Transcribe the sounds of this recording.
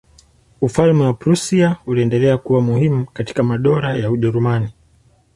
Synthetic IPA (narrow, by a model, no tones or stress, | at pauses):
ufalmɛwapɾusiauliɛndɛlɛakuwamuhimukati̥kamaɗɔɾajauʄɛɾumani